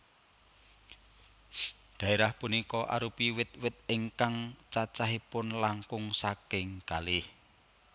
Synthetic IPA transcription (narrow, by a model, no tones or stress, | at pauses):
ɖ̪̥ä̤eɾahpunikɔʔa̰ɾupiwɪt̪̚wɪt̪̚ɪŋkaŋt͡ʃat͡ʃaɦipʊnlaŋkʊŋsakɪŋkalɪh